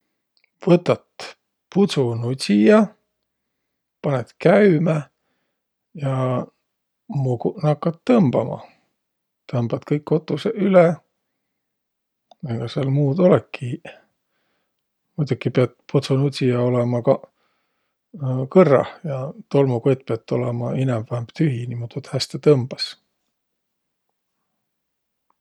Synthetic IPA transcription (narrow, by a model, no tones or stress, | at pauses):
vɤt̪ːˑɑt̪ | put̪sunutʲijɑ | pɑnet̪kæymæ | jɑ | mukunɑkːɑt̪ːɤmb̥ɑmɑ̰ | t̪ɤmb̥ɑt̪kɤjkːo̞t̪ːˑuseyle | eɡ̥ɑseɑlmuːd̪o̞lɛkːi | mud̪̥ukːipeɑt̪pʰut̪sunut̪ʲijɑo̞lemɑkɑ | kɤrːɑ̰hjɑt̪o̞lmuko̞jt̪̚peɑt̪ːo̞lemɑinɛmvæemb̥t̪yɦinimut̪ut̪hæst̪et̪ɤmb̥ɑs